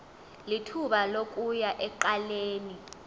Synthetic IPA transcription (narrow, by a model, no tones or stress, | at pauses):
litʰuɓalok̬ʼujaʔɛǃaleːni